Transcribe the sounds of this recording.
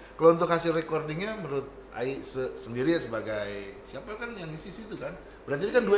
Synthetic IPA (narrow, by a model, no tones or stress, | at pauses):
kalount̪ʊk̚hasɪrekɔrdiŋɲaməɾʊt̪̚ʔa̰isəsəndiɾiasəbaɡajsiapakanjaŋisisit̪ukan | bəɾart̪idikandua